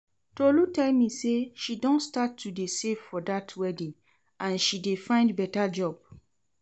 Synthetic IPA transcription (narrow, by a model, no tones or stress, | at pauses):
tolutɛlmiseʃidɔ̃ntstatʰːudesevfɔdatʰwɛdĩŋ | ʔãnʃidefãɪ̃ndbɛtad͡ʒɔb̥̚